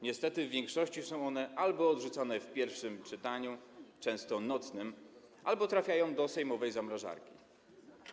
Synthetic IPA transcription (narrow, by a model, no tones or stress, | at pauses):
ɲɛst̪ɛt̪ɘvvʲjɛŋkʂɔɕt͡ɕisɔ̃w̃ɔnɛʔalbɔːd̪ʐut̪sanɛfpʲjɛɾfʂɘmt͡ʂɘt̪aɲut͡ʂɛ̃w̃st̪ɔnɔt̪snɘm | ʔa̰lbɔt̪ɾafʲjajɔ̃w̃d̪ɔsɛjmɔvɛjzamɾaʐa̰ɾkʲḭ